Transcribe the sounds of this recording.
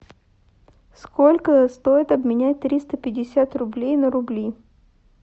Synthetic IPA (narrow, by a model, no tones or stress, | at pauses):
skolʲkəst̪o̞jɪt̪ɐbmʲɪnʲæt̚ʲt̪ɾʲist̪əpʲɪdʲɪsʲat̪rʊblʲejnəɾʊblʲij